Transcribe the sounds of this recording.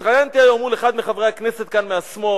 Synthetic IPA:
t̪ʁajant̪iajomuleχad̪meχavʁejakneset̪̚kanmeasmo

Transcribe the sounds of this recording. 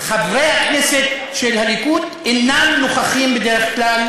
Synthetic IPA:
χavʁejhakneset̪ | ʃelhalikut̪ | enanluχaχimbed̪eʁeχklal

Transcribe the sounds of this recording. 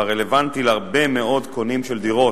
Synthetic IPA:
aʁele̞vant̪ilhaʁbemeo̞d̪kʰonimʃeld̪iʁo̞

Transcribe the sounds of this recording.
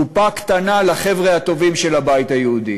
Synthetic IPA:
upakt̪analaχe̞vʁeat̪o̞vimʃe̞labajit̪ajehud̪i

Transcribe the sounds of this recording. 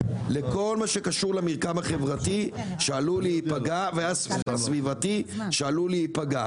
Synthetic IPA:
leko̞lmaʃekaʃuʁlamiʁkamhaχe̞vʁat̪iʃealuliːpaɡaveasasvivat̪iʃealuliipaɡa

